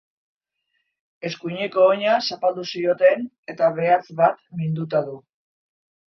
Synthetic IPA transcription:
e̞skuɲe̞ko̞ːɲasapald̪usio̞t̪e̞n | e̞t̪aβe̞at͡sβat̪mind̪ut̪aðu

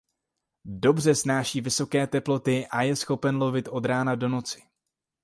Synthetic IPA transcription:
do̞br̝ɛsnaːʃiːvɪso̞kɛːt̪ɛplo̞t̪ɪʔajɛsxo̞pɛnlovɪt̪ʔo̞d̪ɾaːnado̞no̞t͡sɪ̥

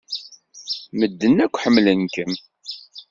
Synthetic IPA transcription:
məd̪ːənːækʷːħəmːlənkəm

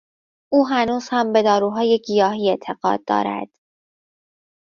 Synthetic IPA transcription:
ʔuːɦænuːz̥hæmbe̞d̪ɒːɾuːɦɒːje̞ɡijɒːɦiːe̞t̪ʰe̞ɣɒ̰ːd̪̚ːɒ̰ːɾæ̰d̪̥

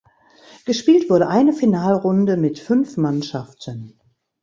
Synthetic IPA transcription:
ɡ̥əʃpiːltv̥ʊɐɾəʔaɪnəfinaːlʁʊndəmɪtfʏnfmanʃaftʰən

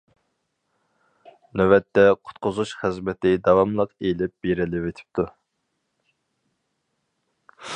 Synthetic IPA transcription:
nøwɛt̪ːɛqʰʊ̥t̪qʊzuʃχɨzmɛt̪ʰɪd̪ɑwɑmlˠəqelɪp̚b̥eɾɪlɪvet̪ʰɪ̥p̚t̪ʰu

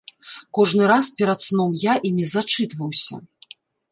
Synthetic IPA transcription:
kɔʐnɨɾaspʲɛɾat̪snɔmjaʔimʲizat͡ʂɨt̪vɐwsʲɐ̰

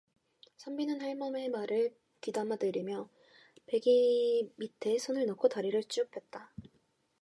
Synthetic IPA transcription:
sʰʌmbinɯnhaɭmʌme̞maɾɯɭ | kidamadɯɾimjʌ | pe̞ɡimitʰe̞sʰonɯɭnokʰotaɾiɾɯɭt͡ɕ͈ʰijupʰe̞t̚t͈a

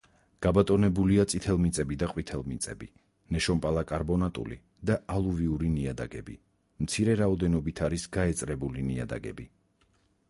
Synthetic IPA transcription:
ɡ̥abat̪ʼɔnɛbuliat̪sʼit̪ʰɛlˠmit̪sʼɛbid̪aqʼwit̪ʰɛlˠmit̪sʼɛ̰bi | nɛʃɔmpʼalˠakʼaɾbɔnat̪ʼṵlḭ | d̪aʔalˠuviuɾiniad̪a̰ɡɛ̰bḭ | mt̪sʰiɾɛɾaɔd̪ɛnɔbit̪ʰaɾisɡaɛt̪sʼɾɛbulinia̰d̪a̰ɡɛ̰bi

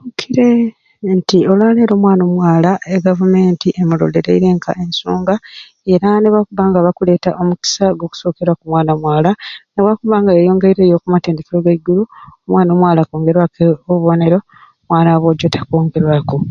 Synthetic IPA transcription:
ukʰiɾe̞ | ntio̞lwaːleɾo̞ːmwaːno̞ːmwaːlaʔeɡavume̞ːntiʔemulo̰leɾeiɾe̞ːŋkʰa̰ʔe̞nsuːŋɡa | e̞ɾaneβakuβaːŋɡaβakule̞ːtaʔo̞muki̥saɡo̞ku̥so̞ːke̞ɾwakumwaːnamwaːlaneβakuβaːŋɡaejo̞ːŋɡeiɾe̞ːjo̞ːkumateːndekiɾoɡaiɡuluomwaːno̞ːmwaːlakoːŋɡe̞ɾwakeoβuβo̞ːne̞ɾo̞ | mwaːnaβo̞ːɟo̞tʰḁkoːŋɡe̞ɾwako

